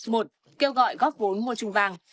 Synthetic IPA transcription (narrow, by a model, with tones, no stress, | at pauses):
mo˨˩t̚ | ke˧wɣɔ̰˧˨jɣɔː˦˥p̚vo˨˦nmu˧ət͡ɕʊ˧ŋ͡mvaː˧˩ŋ